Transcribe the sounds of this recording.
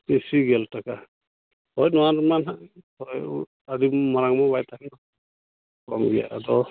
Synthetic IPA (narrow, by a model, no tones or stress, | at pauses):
isiɡɛltʰaka | hɔjnɔwanɾmanɦahɔj | adimɔɾaŋmɔbajtʰakɛnɔ | kɔmɡija̰ʔadɔ